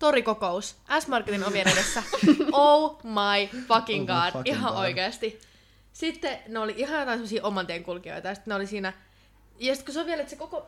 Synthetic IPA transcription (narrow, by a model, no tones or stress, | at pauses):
t̪orikokousʔæsmɑrkːet̪inoʋienedesːæoumɑifɑkiŋɡɑːd̥iɦɑʔoikeɑst̪i | sit̪ːeneoliʔiɦɑjot̪ɑinsemosiːʔomɑnt̪eːŋkulkio̰it̪ɑjɑsi̥t̪neolisiːnæ | jɑsi̥t̪kusoʋielet̪sekoko